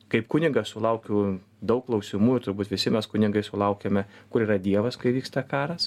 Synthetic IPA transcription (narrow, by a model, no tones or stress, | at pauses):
kɐɪpkʊnʲɪŋɡɐssʊlˠɐʊkʲʊː | d̪ɐʊk̚kːlˠɐʊsʲɪmuːjʊt̪ʊɾbuːt̪ʋʲɪsʲɪmʲɛskʊnʲɪŋɡɐɪsʊlˠɐʊkʲemʲɛkʊɾiːɾɐd̪ʲiɛʋɐskɐɪʋʲiːkst̪ɐkɑːɾɐs